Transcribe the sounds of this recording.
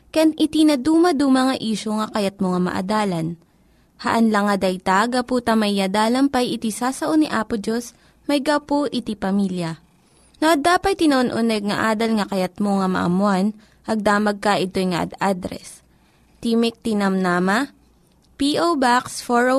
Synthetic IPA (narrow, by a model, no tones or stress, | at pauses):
kɐjanʔɪt̪inɐd̪uːmɐd̪uːmɐŋɐʔiːʃoŋɐkɐjɐt̪̚moŋɐmɐ̰ʔɐ̰d̪aːlɐn | hɐʔɐnlɐŋɐd̪ɐjt̪aɡɐpuːt̪ɐmɐjːɐd̪aːlɐmpɐjɪt̪isaːsɐʔoniʔaːpod͡ʒos | mɐjɡɐpoʔɪt̪ipɐmiljɐ | noʔɐd̪aːpɐjt̪ɪnɐʔonʔʊnɛɡ̚ŋɐʔaːd̪ɐlŋɐkɐjɐt̪̚moŋɐmɐ̰ʔɐ̰mʊan | ʔɐɡ̚d̪aːmɐɡ̚kɐʔɪt̪o̞jŋɐ̰ʔɐ̰d̪ad̪ɾɛ̰s | t̪imɪk̚t̪inɐmnamɐ | piʔobaksfoɹo